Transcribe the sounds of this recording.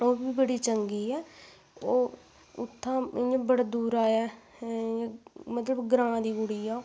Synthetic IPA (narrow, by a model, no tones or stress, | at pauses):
oːbiːbəɽiːt͡ʃəŋɡiːɛː | oː | ʊt̪ʰːãːɪãbəɽd̪uːɾaːãː | mət̪ləbɡɾãːd̪iːɡʊɽiːa